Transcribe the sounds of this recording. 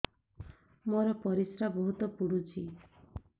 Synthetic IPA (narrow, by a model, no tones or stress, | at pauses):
moɾɔpɔɾisɾabɔɦut̪ɔpuɽut͡ʃʰi